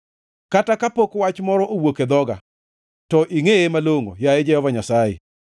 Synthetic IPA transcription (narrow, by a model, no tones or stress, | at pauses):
katakapokwat͡ʃmɔɾɔʔowoked̪ɔɡa̰ | tɔʔiŋeemaloŋo̰jaɛd͡ʒɛhɔvaɲasajḛ